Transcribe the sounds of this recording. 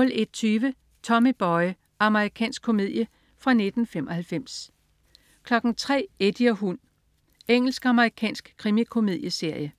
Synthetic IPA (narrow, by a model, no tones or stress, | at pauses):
ɔ̽le̝d̥ɒt͡sʰyːʋə | t͡sʰɒ̽mib̥ɒɪ | ɑ̈məʁikʰɛ̰ːnsɡ̥̚kʰːo̝me̝ð̰ˠjə | fʁɑ̈ne̝d̥n̩femɒ̽hælfem̰s | kʰlɒ̽ɡ̥n̩t͡sʰʁɛ̰ːed̥iɐɦun | eŋ̰l̩sɡ̥ɑ̈məʁikʰɛ̰ːnsɡ̥kʰʁimikʰo̝me̝ðˠjəse̝ɐ̰jə